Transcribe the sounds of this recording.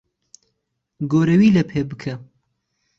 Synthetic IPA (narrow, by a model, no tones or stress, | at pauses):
ɡoːɾɐwiːlɐpʰeːbɨkʰɐ